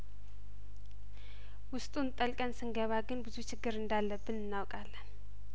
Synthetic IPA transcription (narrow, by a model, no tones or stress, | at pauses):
wʊst̪ʼunt̪ʼəlkʼənsɨŋɡəβaɡɨnbɨzut͡ʃʰɪɡːɨɾɨnd̪alːəbːɨnɨnːawkʼalːən